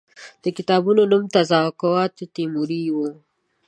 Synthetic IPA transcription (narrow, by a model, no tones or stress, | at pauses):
d̪̥əkɪt̪ɑbunonumt̪azɑkawɑt̪t̪imuɾiwu